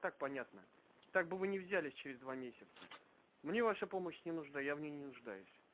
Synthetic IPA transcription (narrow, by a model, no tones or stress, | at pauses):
t̪ak̚pɐnʲat̪nə | t̪aɡ̚bɨvɨnʲɪvzʲælʲɪsʲt͡ɕɪɾʲɪzd̪vamʲesʲɪt̪sə | mnʲe̞vaʂəpo̞məɕnʲɪnʊʐd̪ajavnʲejnʲɪnʊʐd̪ajʊsʲ